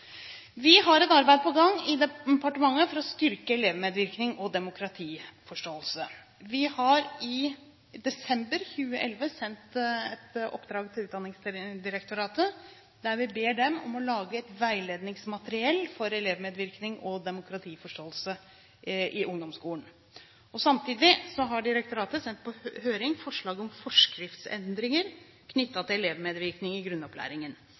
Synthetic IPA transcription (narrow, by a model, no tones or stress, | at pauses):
ʋɪɦɑɾɛt̪ɑɾbæɪd̪əpʰɔɡɑŋɪd̪ɛpʰɑʈəmɑŋːəfɔɾɔst̪ʏɾkəɛleːʋmeːd̪ʋɪɾknɪŋɔd̪ɛmʊkʰɾɑt̪ʰiːfɔʂʈoːəlsə | ʋɪhɑɾɪ | d̪ɛsɛmbəɾçʉːəʔɛlʋəsɛnt̪ɛt̪ʔɔ̰pːd̪ɾɑːɡt̪ʰɪlʉːt̪d̪ɑnɪŋsd̪ɪɾɛkt̪ʊɾɑːt̪ə | d̪æɾʋɪbeːɖɛmɔmɔlɑːɡəɛt̪ʋæɪleːd̪nɪŋsmɑt̪əɾɪɛlːfɔɾɛleːʋmeːd̪ʋɪɾknɪŋɔd̪ɛmʊkʰɾɑt̪ʰiːfɔʂʈoːəlsə | ʔɪʔʊŋd̪ɔmskuːən | ɔsɑmt̪ʰiːd̪ɪsɔɦɑɖɪɾɛk̚t̪ʊɾɑːt̪əsɛnt̪̚pʰɔhøːɾɪŋfɔʂɭɑːɡɔmfɔʂkɾɪft̪sɛ̰nd̪ɾɪŋəɾ | kʰnʏt̪ːɑt̪ʰɪlɛleːʋmeːd̪ʋɪɾknɪŋɪɡɾʉnːɔpʰlæ̰ːɾɪŋən